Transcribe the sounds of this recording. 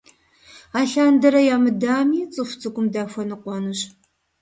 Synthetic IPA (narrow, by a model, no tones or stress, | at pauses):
aːɬaːndɐɾɐjaːmɨdaːmiːt͡sʼɨfʷt͡sʼɨɡʷʼʊmdaːfʷɐnɨqʷɔnɨɕ